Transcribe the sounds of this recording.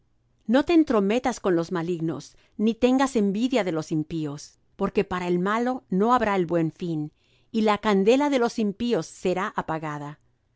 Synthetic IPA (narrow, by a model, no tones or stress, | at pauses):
no̞t̪e̞ːnt̪ɾo̞me̞t̪asko̞nlo̞zmaliɣno̞̰s | nit̪e̞ŋɡase̞mbiðjaðe̞lo̞simpio̞s | po̞ɾke̞paɾaelmalo̞no̞aβɾaelβwe̞ɱfin | ilakand̪e̞laðe̞lo̞simpio̞sːe̞ɾaʔapaɣaða